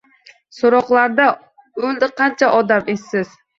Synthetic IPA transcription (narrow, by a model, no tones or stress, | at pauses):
soɾɔχlˠɑɾd̪ɑ | øld̪ɨqʰːɑnt͡ʃʰɛʔɒd̪ɑmesːɪz̥